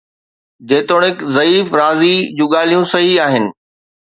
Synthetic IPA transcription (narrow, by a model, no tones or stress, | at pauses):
d͡ʑeːt̪oːɽ̃ɪkzɐiːfɾaːzid͡ʑũːɠaːl̤ijũsɐɦiaːɦɪnɪ̆